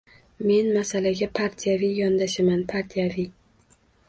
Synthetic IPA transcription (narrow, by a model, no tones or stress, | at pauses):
me̞nmasalaɡʲapʰaɾt̪ʰijavijɒnd̪aʃamanpʰaɾt̪ʰijavi